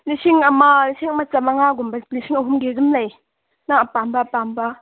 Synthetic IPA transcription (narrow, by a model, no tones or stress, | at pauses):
nisʰiŋamanisʰiŋɐmat͡samaŋaɡumbanisʰiŋɐɦumɡizumlaj | naŋapambapamba